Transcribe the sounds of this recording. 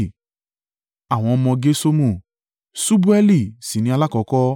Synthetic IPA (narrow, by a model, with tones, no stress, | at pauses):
a˨w̃ɔ̃˧ɔ˧mɔ̃˧ɡe˦so˦mũ˦˨ | su˦bu˦ɛ˦li˦˨si˨nĩ˧a˧la˦kɔ˧kɔ˦